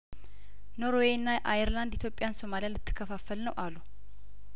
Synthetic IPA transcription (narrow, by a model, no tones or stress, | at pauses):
no̞ɾowenːaʔajɛɾland̪it̪ʰjo̞pʼːɪjanso̞malijalɨt̪ʰːɨ̥kʰːəfafːəlnəwʔalu